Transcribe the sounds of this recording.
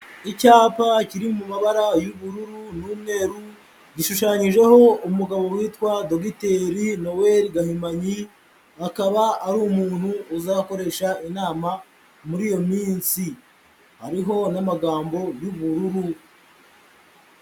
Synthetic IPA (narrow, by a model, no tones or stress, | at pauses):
icaːpaciɾimumaβaɾajuβuɾuɾunuːmne̞ɾu | ɟiʃuʃaɲiʒe̞ho̞umuɡaβo̞wiːtwado̞ɡite̞ɾino̞weɾiɡahimaɲi | akaβaːɾuːmuːn̥huːzako̞ɾe̞ʃainaːma | muɾiːjo̞miːnsi | haɾiɦo̞namaɡaːmbo̞juβuɾuɾu